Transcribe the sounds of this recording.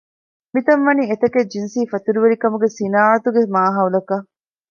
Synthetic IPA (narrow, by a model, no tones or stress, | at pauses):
mit̪ɐnʋɐniːet̪ɐked͡ʒinsiːfɐt̪uɾuʋeɾikɐmuɡesinaːɐt̪uɡemaːɦɐulɐkɐ